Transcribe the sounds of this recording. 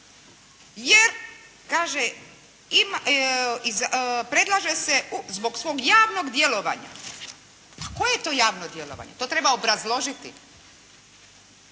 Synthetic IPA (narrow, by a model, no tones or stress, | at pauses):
jeɾ | kaːʒe | im | izpɾe̞d̪lˠaʒeseuzbo̞ksʋo̞ːɡjaːʋno̞ɡd̪jelo̞ʋa̰ɲa̰ | ako̞jejet̪o̞ːjaːʋnod̪je̞lo̞̰ʋa̰ɲet̪ot̪ɾe̞baobɾazlˠo̞ʒit̪i